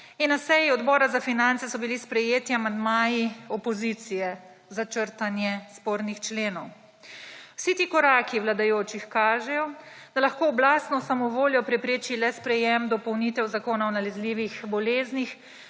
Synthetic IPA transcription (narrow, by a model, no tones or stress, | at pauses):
inːasɛjiɔd̪bɔːɾazafinant̪sɛsɔbilispɾɛjeːt̪iamand̪maːjiɔpɔzit̪sijɛ | zat͡ʃəɾt̪anjɛspoːɾnixt͡ʃleːnɔw | wsit̪iːkɔɾaːkiwlad̪ajoːt͡ʃixkaːʒɛjɔd̪̥alaxkoːblaːst̪nɔsamɔʋoːljɔpɾɛpɾeːt͡ʃilɛspɾɛjɛmd̪ɔpɔwniːt̪ɛwzakoːnaɔnalɛzliːʋixbɔleːznix